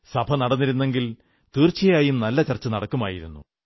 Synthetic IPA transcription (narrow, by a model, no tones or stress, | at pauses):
sɐbʱɐnɐɽɐnːiɾunːe̞ŋɡil | t̪iːrt͡ɕɐjaːjumnɐlːɐt͡ɕɐrt͡ɕːɐnɐɽɐkːuma̰ːjiɾṵnːṵ